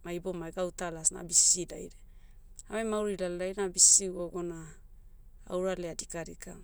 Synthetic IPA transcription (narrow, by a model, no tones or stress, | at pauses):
majbomajɡawtalasna̰bisida̰jɾe | amemawɾilalajnabisiɡoɡona | a̰wɾaleadikaɾika